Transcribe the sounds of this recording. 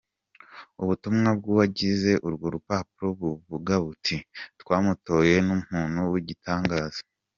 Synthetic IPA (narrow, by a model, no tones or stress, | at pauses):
uβutumŋab̚ɡuːβaɟize̞ʔuɾɡoɾupaːpuɾoβuβuɡaβutʰitkwaːmuto̞ːje̞num̥huːnuwiɟitʰaːŋɡaːz̥ḁ